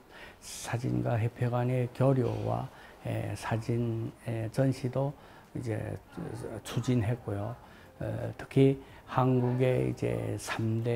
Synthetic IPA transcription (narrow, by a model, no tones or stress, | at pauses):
sʰad͡ʑḭnɡwaɦepʰjoɡwanekjʌɾjo̰wa̰ | ḛsʰad͡ʑinet͡ɕʌnɕʰido | ḭd͡ʑe̞̰ | t͡ɕʰud͡ʑinɦet̚k͈ojo | tʰɯ̥kʰi | hanɡuɡe̞ḭd͡ʑe̞̰sʰamde